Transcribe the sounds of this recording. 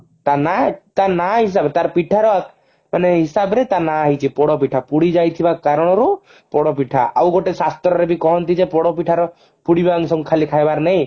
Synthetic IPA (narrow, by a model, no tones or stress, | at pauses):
t̪anat̪anaɦis̬abɛt̪aɾpiʈʰaɾɔak | manɛɦisabɾɛt̪anaːɦit͡ʃʰipɔɽɔpiʈʰapuɽid͡ʒajt̪ʰibakaɾɔɽ̃ɔɾu | pɔɽɔpiʈʰa̰ʔa̰wɡoʈesast̪ɾɔɾɛbikɔɦɔnt̪id͡ʒɛpɔɽɔp̬iʈʰaɾɔ | puɽibaŋsɔmkʰalikʰajbaɾnɛj